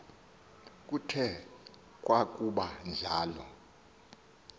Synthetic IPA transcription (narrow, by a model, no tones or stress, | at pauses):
k̬ʼutʰɛ | k̬ʼwakʼuɓand͡ɮʱaːlɔ̰